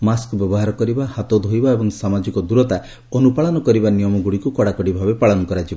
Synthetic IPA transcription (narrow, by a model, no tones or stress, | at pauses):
maskbjɔbɔɦaɾɔkɔɾibahat̪ɔd̪ɦojbaebɔŋsamad͡ʒikɔd̪uɾɔt̪a | ɔnupaɭɔnɔkɔɾibanijɔmɔɡuɽikukɔɽakɔɽibʱabepaɭɔnɔkɔɾad͡ʒiba